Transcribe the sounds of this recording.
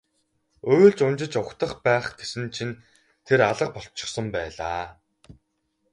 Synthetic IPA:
ojɮt͡ɕʊnt͡ɕɪ̆t͡ɕʊkt̪ə̆χpæːχɡesɘ̆nt͡ɕʰin | t̪ʰeɾaɮə̆q̚pɔɬt͡ɕɪ̥̆χsə̆mpæːɮa̰ː

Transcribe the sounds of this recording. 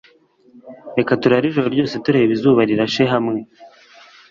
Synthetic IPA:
ɾe̞katuɾaɾiʒoɾoɾɟo̞ːse̞tuɾehiβizuβaɾiɾaʃeɦamŋe̞

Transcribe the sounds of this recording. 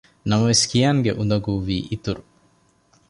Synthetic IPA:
nɐmɐʋeskijaːŋɡeʔund̪ɐɡuːʋḭːʔit̪uɾu

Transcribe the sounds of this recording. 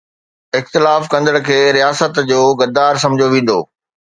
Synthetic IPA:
ɪxt̪ɪlaːfkɐ̃nd̪əɽ̃kʰeːɾijaːsət̪d͡ʑoːɡɐd̪aːɾs̬ɐ̃md͡ʑʱoʋẽːn̆d̪oː

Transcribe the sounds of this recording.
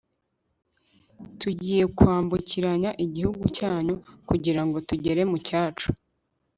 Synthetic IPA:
tuɟiːje̞kwaːmbuciɾaɲaʔiɟihuɡucaːɲukuɟiɾaŋɡo̞tuɟeɾe̞mucaːt͡ʃu̥

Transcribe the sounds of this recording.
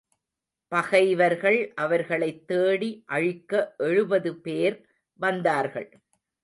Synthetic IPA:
pɐɣɐɪʋɐɾɣɐɭʔɐʋɐɾɣɐɭɐɪt̪ːeːɽiʔɐɻɪkːɐʔɛɻɯbɐðɯpeːɾ | ʋɐnd̪aːɾɣɐ̰ɭ

